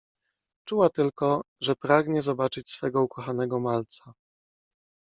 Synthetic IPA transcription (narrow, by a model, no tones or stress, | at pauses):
t͡ʂuwat̪ɘlkɔ | ʐɛpɾaɡɲɛzɔbat͡ʂɘt͡ɕsfɛɡɔukɔxanɛɡɔmalt̪sa